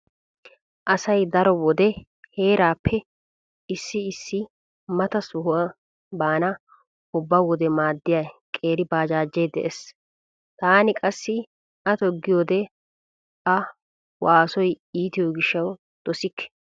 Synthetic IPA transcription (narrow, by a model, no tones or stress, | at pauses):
ʔɐsɐjd̪ɐɾɔwɔd̪ɛ | he̞ːɾaːpʰːɛ | ɪsːɪːsːɪ | mɐt̪ɐsʊhʊwa | baːnɐ | ʊbːawɔd̪ɛmaːd̪ːɪjakʼeːɾɪbaːd͡ʒaːd͡ʒːɛjd̪ɛ̰ʔes | t̪aːnɪkʼɐsːɪ | ʔɐt̪ɔɡːɪjoːd̪ɛ | ʔɐ | waːsɔj | iːt̪ɪjɔɡɪʃːɐw | d̪̥ɔsɪkːɛ̥